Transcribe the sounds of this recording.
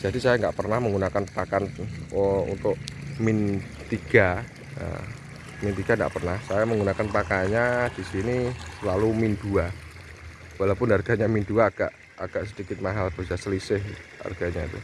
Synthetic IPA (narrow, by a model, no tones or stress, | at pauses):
d͡ʒ̥adisajaŋɡaʔpərnahməŋɡunakanpakan | ṵnt̪ʊʔmɪn | t̪iɡ̥a | a̰ | mint̪iɡ̥aŋɡa̰ʔpərnahsajaməŋɡunakanpakaɲad̥isinisəlalumindua | walawpʊnarɡ̥aɲaminduaːɡ̥a̰ʔ | aɡ̥aʔsədikɪt̪̚maɦalpəd͡ʒasəlisɪha̰rɡ̥aɲaḭt̪ṵ